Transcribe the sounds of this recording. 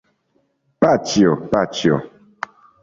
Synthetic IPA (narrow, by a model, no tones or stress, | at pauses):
pat͡ʃiɔpat͡ʃiɔ̰